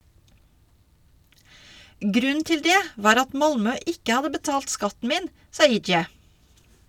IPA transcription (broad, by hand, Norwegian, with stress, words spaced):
ˈɡɾʉn̩ ˈtɪl ˈdeː ˈʋɑːɾ ˈɑt ˈmɑlmœ ˈʔɪkə ˈhɑdə bəˈtɑːlt ˈskɑtn̩ ˈmiːn ˈsɑː ˈiːd͡ʒjɛ